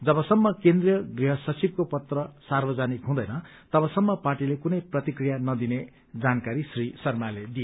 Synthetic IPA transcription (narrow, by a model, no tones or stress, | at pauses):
d͡zʌbʌsʌmːʌkend̪rijʌɡriɦʌsʌt͡sib̚kopʌt̪rʌsarbʌd͡zanikɦũd̪ʌjnʌt̪ʌbʌsʌmːʌparʈilekunʌjprʌt̪ikrijanʌd̪ine | d͡zankaɾisrisʌrmaled̪ije